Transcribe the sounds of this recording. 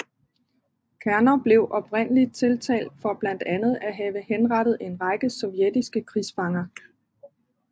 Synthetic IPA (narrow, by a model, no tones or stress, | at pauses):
kʰæɐnɐb̥le̝ʊʔɒ̽b̥ʁen̰əlid̥̚t͡sʰe̝lt͡sʰɛ̰ːld̥fɒ̽b̥læn̰d̥ænð̞̩ˠæɦɛːʋəhenʁɑ̈d̥ð̩ˠe̝nʁɑ̈ɪɡ̥əsɒ̽ʊjed̥isɡ̥əkʰʁisfɑ̈ŋɐ